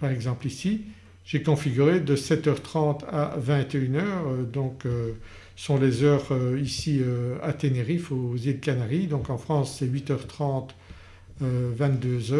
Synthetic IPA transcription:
paʁɛɡzɑ̃plisi | ʒ̥ekɔ̃fiɡʲyʁed̪əsɛt̪œʁt̪χɑ̃t̪a̰vɛ̃t̪eynœːʁød̪ɔ̃ːkø | sɔ̃lezœːʁøisiøat̪eneʁifozild̪kanaʁid̪ɔ̃kɑ̃fχɑ̃sːɛɥit̪œʁt̪χɑ̃t̪ | øvɛ̃t̪̚d̪øzœ

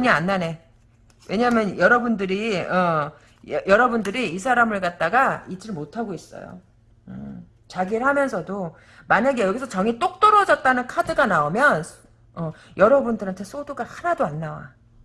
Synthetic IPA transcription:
ɲianːane̞ | wʔe̞ɲamjʌnjʌɾʌbundɯɾiʌ | jʌɾʌbundɯɾiːs̬ʰaɾamɯɭkat̚t͈aɡait͡ɕ͈iɭmotʰaɡois͈ʌ̰jo̰ | ɯ | t͡ɕaɡiɯɭhamjʌnsʰʌdo | maɲaɡe̞jʌɡisʰʌt͡ɕʌŋit͈ok̚t͈ʌɾʌd͡ʑʌt̚t͈anɯnkʰadɯɡanaomjʌns | ʌ | jʌɾʌbundɯɾantʰes͈ʰoduɡahanadoanːawa̰

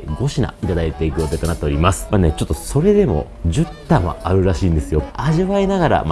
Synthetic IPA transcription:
ɡo̞ɕina̰it̪ad̪ait̪e̞ikɯjot̪e̞t̪onat̪ːeoɾʲimasɨ̥manet͡ɕo̞t̪ːo̞so̞ɾe̞d̪e̞mo̞̰ | ʑɨt̪ːam̃a̰aɾɯ̟ɾaɕiːnd̪e̞sɨjo̞aʑiβainaɣaɾa̰m

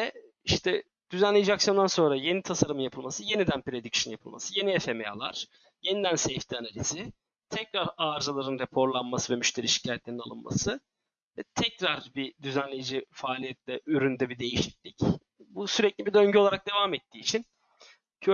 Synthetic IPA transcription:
vɛ | iʃt̪ʰɛ | d̪̥yzænlʲejd͡ʒiaksjond̪anso̞nɾaje̞nit̪ʰasaɾɯmɯnjapʰɯlˠmasɯje̞nid̪ænpɾe̞d̪icsjonjapʰɯlˠma̰sɯje̞niefemea̰lˠa̰ɾ̥ | je̞nid̪ænsejft̪ʰianalʲizɪ | t̪ʰɛcɾaɾaːɾzalˠaɾɯnɾepʰo̞ɾlˠanmasɯvɛmyʃt̪ʰe̞ɾiʃi̥cʰajɛt̪lʲe̞ɾinalˠɯnma̰sɯ | vɛt̪ʰɛcɾaɾbid̪yzænlʲe̞jid͡ʒifaːlʲijɛt̪lʲɛʔyɾynd̪ɛbid̪e̞jiʃi̥clʲic | busyɾɛclʲibid̪ø̞ɲɟyo̞lˠaɾak̚d̪e̞vaːmɛt̪ʰːiːt͡ʃʰin | cʰø

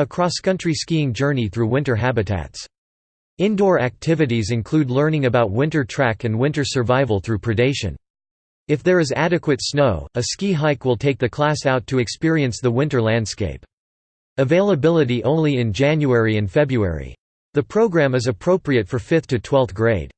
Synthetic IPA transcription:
ɨkʰɹ̥ɔskʰʌ̃nt͡ʃɹ̥iskiɪ̃ŋd͡ʒɜ˞niθɹʉwɪ̃ntə˞ɦæbɨtʰæ̰ts | ɪ̃ndɔɹæk̚tʰɪvɨɾizɨ̃nkʰl̥ʉdˡlɜ̃˞nɪ̃ŋɨbaʊt̚wɪ̃ntə˞tʰɹ̥ækɨ̃nwɪ̃ntə˞sə˞vaɪvl̩ˠθɹʉpʰɹ̥ɨdeɪʃɨ̰̃n | ɨfðə˞ɨzæɾɨkwɨtsnoʊɨskiɦaɪkwəlˠtʰeɪk̚ðɨkʰl̥æsaʊtʰɨɨkspɪɹiɨ̃nsðəwɪ̃ntə˞læ̃nd̥skeɪp | ɨveɪlˠəbɪlˠəɾiʔõʊ̃nlˠiɨ̃nd͡ʒæ̃njuɛɹiɨ̃nfɛbɹuɛ̰ɹḭ | ðɨpʰɹ̥oʊɡɹæ̃mɨzɨpʰɹ̥oʊpɹiɨtfə˞fɪθtʰɨtʰw̥ɛlˠθɡ̥ɹeɪd̥

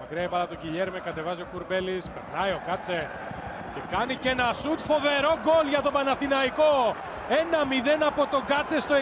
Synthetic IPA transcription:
mɐkɾiɐejpɐlɐpt̪ociʎeɾmekɐt̪e̞vɐzio̞kuɾbe̞lispeɾnɐjo̞kɐt͡se̞ | ce̞kɐnice̞nɐsut̪fo̞ve̞ɾo̞ɡo̞lʝɐt̪o̞bɐnɐθinɐiko̞ | e̞nɐmiðe̞nɐpo̞t̪o̞ɡɐt͡se̞st̪oe

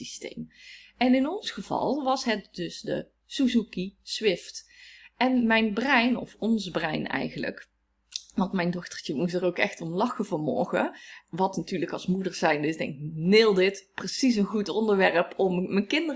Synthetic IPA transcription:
istḛjmɛnɪnɔnsχəv̥ɑ̰lˠʋɑsɦɛt̚dɵsdə̰ | suzukisʋɪftʔɛnmɛjnbrɛjnɔfɔnzbrɛ̰jnɛ̰jɣənlə̰k | ʋɑntmɛjndɔxtə̥ɹtəmus̬tərowkɛxtɔnlɑxəvɑmɔ̰ɹɣə̰ʋɑtnatyːɹləkɑlˠsmudəɹz̥ɛjndɪsdɛ̰nnɪːlˠdɪtprəsis̬ənɣutɔndəɹʋɛɹəpʰɔmːəkɪndə

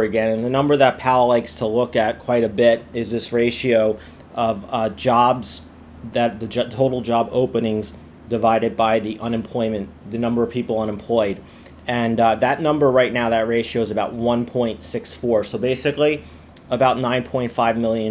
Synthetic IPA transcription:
ɨɡɛ̃nɨ̃nðɨnʌ̃mbə˞ðət̚pʰaʊəlaɪkstʰəlʊkɨt̚kʰw̥aɪɾɨbɪɾɪzðɪsɹeɪʃioʊ | ʔʌvd͡ʒɑbz | ðɨt̪̚ðɨd͡ʒtʰoʊɾl̩ˠd͡ʒɑbo̰ʊpɨnɪ̃ŋz | dɨvaɪɾɨd̚baɪðiʔʌ̃nɨ̃mpʰl̥ɔɪ̃mɨ̃n | ðɨnʌ̃mbə˞ʌv̥pʰipl̩ˠʌ̃ñə̃mpʰl̥ɔɪɾ | ɨ̃nðɨtⁿnʌ̃mbə˞ɹaɪtⁿnaʊðɨt̚ɹeɪʃioʊzɨbaʊt̚wʌ̃npʰɔ̃ɪ̃ntsɪksfɔɹsoʊbeɪsɨkli | əbaʊtⁿnãɪ̃npʰɔ̃ɪ̃ntfaɪvmɪlˠjɨ̃

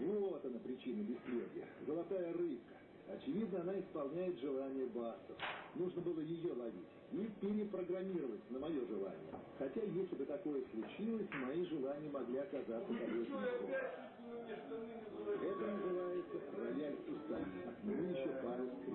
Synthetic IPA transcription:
vˠot̪ənəpɾʲɪt͡ɕinəbʲɪsʲplʲedʲɪə̰zəlˠɐt̪ajərɨp̚kə̥ | ɐt͡ɕɪvʲid̪nəɐnaɪspɐlˠnʲæjɪt̪ʐɨlˠanʲɪjəbasəfnuʐnəbɨlˠəjɪjo̞lˠɐvʲitʲipʲɪɾʲɪpɾəɡɾɐmʲiɾəvətʲnəmɐjo̞ʐɨlˠa̰nʲɪ̰jə̰ | xɐtʲajesʲlʲɪbɨt̪ɐko̞jəslˠʊt͡ɕilˠəsʲmɐiʐɨlˠanʲɪjəmɐɡlʲiɐkɐzat̪sək̪ɐɾoso | ɛt̪ənəzɨvajɪt̪sərɐjalʲsʊst̪anʲɪjmmɨjɪɕːopaɾʲɪms

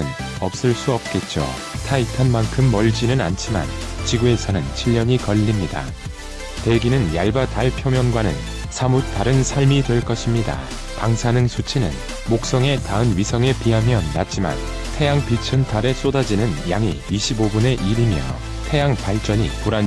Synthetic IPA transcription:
ɯnʌp̚s͈ɯɭs͈uʌp̚k͈e̞t̚t͡ɕ͈o̰ | tʰaitʰanmankʰɯmːʌɭd͡ʑinɯna̰nt͡ɕʰima̰n | t͡ɕiɡue̞sʰʌnɯnt͡ɕʰiʎːʌɲikʌʎːimɲida̰ | te̞ɡinɯnjaɭbataɭpʰjomjʌnɡwanɯ̰n | sʰamut͈aɾɯnsʰaɭmitwe̞ɭk͈ʌɕʰimɲida̰ | paŋsʰanɯŋsʰut͡ɕʰinɯ̰n | mok̚s͈ʌŋe̞taɯnɥisʰʌŋe̞piɦamjʌnːa̰t̚t͡ɕ͈ima̰n | tʰe̞jaŋpit͡ɕʰɯntʰaɾe̞s͈odad͡ʑinɯnjaŋiːɕʰibobune̞ʔiɾimjʌ̰ | tʰe̞jaŋpaɭt͡ɕ͈ʌɲḭpuɾan

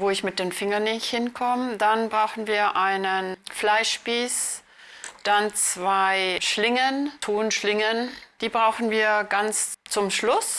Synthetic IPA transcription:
voːɪçmɪt̚d̥eːnfɪŋɐnːɪhɪnkʰɔmdanbʁaʊxn̩viːɐʔaɪnənflaɪʃb̥iːs | d̥ant͡sv̥aɪʃlɪŋəntʰoːnʃlɪŋənd̥iːbʁaʊxn̩viːɐɡant͡st͡sʊmʃlʊs

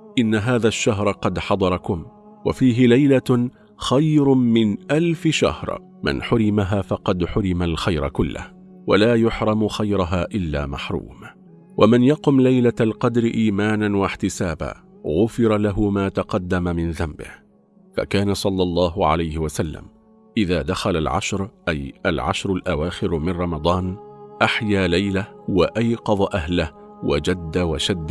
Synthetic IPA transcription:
ʔɪnːaɦaːðaʃːaɦɾˤqɑd̪ħɑd̪ˤɑɾˤɑkʊm | wa̰fiːɦɪlajla | xajɾmɪnʔalfɪʃa̰hɾˤ | mɪ̰nħʊɾɪmaɦaːfɑqɑd̪ħʊɾɪmalxajɾˤa̰kʊlːɪ̰h | wa̰laːjʊħɾˤɑmʊxajɾˤʊɦaːʔɪlːa̰ːma̰ħɾˤṵːm | wamanjɑqʊmlajlaalqɑd̪ɾɪʔiːmaːnanwaħt̪ɪsaːba̰ː | ɣʊfɪɾˤalaɦʊmaːt̪ɑqɑd̪ːamamɪnðambɪ̰h | fa̰kaːnasˤɑlːɑlˤːɑːɦʊʕa̰lajhɪwasalːa̰m | ʔɪðaːd̪axalalʕa̰ʃɾʔajʔalʕa̰ʃɾˤʊlʔawaːxɪɾmɪnɾˤɑmɑd̪ˤɑːnʔaħjaːlajlawaʔajqɑðˤʔaɦlɪh | wad͡ʒad̪ːawaʃad̪ː

